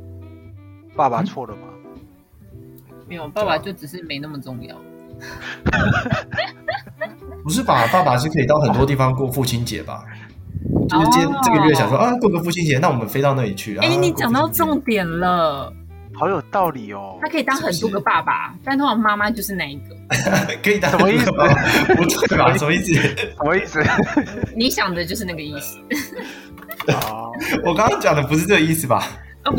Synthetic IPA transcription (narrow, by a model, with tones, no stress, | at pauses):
pa˥˩pa˨˩t͡sʰwɔ˥˩lə˩ma˨˩ | me˥jo˨˩pa˥˩pa˨˩t͡ɕjo˥˩ʊʈ͡ʂɻ̩˨˩ʂ̬ɻ̩˥˩me˧˥ɪna˥˩mə˨˩ʈ͡ʂʊ˥˧ŋjɑ̰˥˩ʊ | pu˧˥ʂ̬ɻ̩˥˩pa˨˩pa˥˩pa˨ʂ̩˥˩kʰə˧˥i˨˩ɑ˥˩ʊxə˨˩nt̪wɔ˥t̪̬i˥˩fɑ˦ŋk̬wɔ˥˧fu˥˨t͡ɕʰi˦˥nt͡ɕjɛ̰˨˩˦ba̰˦ | t͡ɕjo˥˧ʂ̩˥˧t͡ɕjɛ˥nʈ͡ʂə˥˩ɡə˨ɥɛ˥˩ɕjɑ˨ŋʂwɔ˥˧ʔa˧kwɔ˥˩ɡə˧˩fu˥˩t͡ɕʰi˥nt͡ɕjɛ˨˦na˥˩wɔ˨˩mə˦nfe˥ɪt̪ɑ˥˧ʊna˥˩li˨˩t͡ɕʰy˥˩e˧˩ni˨˩t͡ɕjɑ˨˩ŋt̪ɑ˥˧ʊʈ͡ʂʊ˥˩ŋt̪jɛ˨˩nlə˧ | hɑ˧˥ʊjo˨˩t̪ɑ˥˩ʊli˨˩o˦tʰa˥kʰɤ˧˥i˨˩t̪ɑ˥ŋxə˨˩nt̪wɔ˥ɡə˧pa˥˩pa̰˩t̪a˥˧nt̪ʰɑ˨˩ŋma˥ma˧t͡ɕjo˥˧ʂɻ̩˥˩na˨˩i˧˩ɡə˧kʰɤ˧˥i˨˩t̪a˥˨˥bapu˧˥t͡sʰu˥˩ba˨˩ʂə˨m˧˦i˥˩s̩˩ʂə˨mə˦i˥˩s̩˨˩ni˧˥ɕjɑ˨˩ŋd̪ə˦t͡ɕjo˥˧ʊʂɻ̩˥˧na˥˩ɡə˩i˥˩s̩˨˩ | wɔ˨˩kɑ˥ŋkɑ˥ŋt͡ɕjɑ˨˩ŋd̪ə˦pu˧ʂɻ̩˥˧ʈ͡ʂɤ˥˩ɡə˩i˥˩sɹ̩˩ba̰˩˥˩